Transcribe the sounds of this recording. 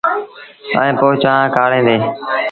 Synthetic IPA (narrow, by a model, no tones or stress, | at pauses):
ə̰ẽːpoːt͡ʃãːãːkaːɽẽːd̪eː